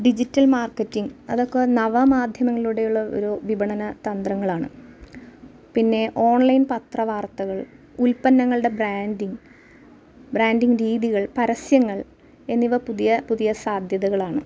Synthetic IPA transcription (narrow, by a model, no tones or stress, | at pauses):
ɖid͡ʑitːɐlmaːrkːɐtːiŋɡɐðo̞kːenɐʋɐmaːd̪ʱjɐmɐŋːɐɭuɽe̞juɭːɐo̰ɾuʋibɐɳɐnɐt̪ɐnd̪rɐŋːɐɭaːɳɨ | pinːe̞ʔo̞ːɳlɐjnpɐt̪rɐʋaːrt̪ːɐɣɐɭ | ulpɐnːɐŋːɐɭɨɽe̞braːndiŋ | braːnɖiŋɾiːðiɣɐɭpɐɾɐsjɐŋːɐɭ | e̞nːiʋɐpuðijɐpuðijɐsaːd̪ʱjɐðɐɣɐɭaːɳɨ